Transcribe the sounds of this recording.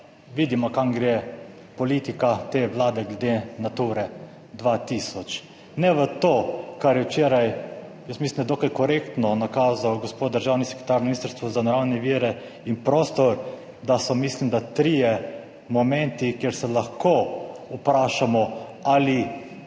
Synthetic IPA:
ʋiːd̪imɔkaŋɡɾe | pɔlit̪ikat̪eʋlaːd̪ɛɡlɛd̪enat̪uɾɛ | d̪ʋat̪isɔt͡ʃ | nɛʋət̪oːkaɾjɛwt͡ʃeːɾajjəst̪mislimnd̪ad̪okajkɔɾekt̪nɔnakaːzawɡɔspoːt̪̚d̪əɾʒawnisɛ̥kɾit̪aɾnɔminist̪əɾst̪ʋɔzanɔɾawnɛʋiːɾɛ | inpɾoːst̪ɔɾ | d̪asɔmislimd̪at̪ɾijɛ | mɔmɛ̃nt̪ikjeɾsɛlaxkoupɾaːʃamɔali

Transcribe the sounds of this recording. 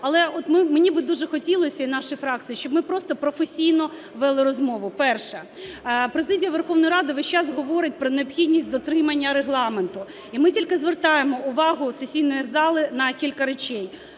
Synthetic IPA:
ɐlˠɛɔt̪mɪmenʲibɪd̪uʒɛxɔtʲilˠɔsʲɐinɑʃʊjfɾɑk̚t̪sɨjiʃt͡ʃɔbmɪpɾɔst̪ɔpɾɔfesʲijnɔ | ʋɛlˠɪɾɔzmɔʋʊpɛrʃɛ | pɾezɪdʲijɐʋerxɔʋnɔjɾɑd̪ɪʋɛʃt͡ʃɑsɦɔʋɔɾɪt̚ʲpɾɔneɔpxʲidʲnʲisʲtʲd̪ɔt̪ɾɪmɐnʲːɐɾeɦlˠɑment̪ʊ | imɪtʲilʲkɪzʋert̪ɑjemɔʊʋɑɦʊsesʲijnɔjizɑlˠɪnɐkʲilʲkɐɾet͡ʃɛj

